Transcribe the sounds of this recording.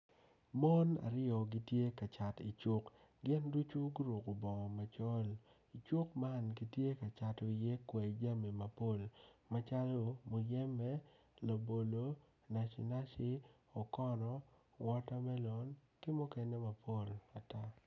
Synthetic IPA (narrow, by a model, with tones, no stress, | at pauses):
mɔ˦na̰˨ɾɪɔ˨ɡi˦tje˦ka˨t͡ʃa˨tḭ˨t͡ʃʊ˦k | ɡɪ˦ndu˦t͡ʃu˦ɡu˦ɾu˨ko˨bɔ˨ŋɔ˨ma˨t͡ʃɔ˦l | i˨t͡ʃʊ˦kma˦nɡi˨tje˦ka˨t͡ʃa˨to˨i˨je˦kwɛ˨d͡ʒa˦me˨ma˨po˦˨lma˦t͡ʃa˦lo˨mo˨jɛ˦mɛ˦ | la˨bo˨lo˨ | na˨ʃḭ˨na˦ʃɪ˦ | ɔ˨kɔ˦nɔ˨ | wɔ˦ta˦mɛ˦lɔ˨n | kɪ˦mɔ˦kɛ˦nɛ˦ma˨pʰo˦la˨ta˦